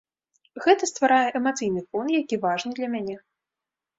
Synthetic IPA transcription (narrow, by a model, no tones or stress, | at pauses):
ɣɛt̪ɐst̪vaɾajɛʔɛmat̪sɨjnɨfɔnjakʲivaʐnɨd̪lʲɐmʲanʲɛ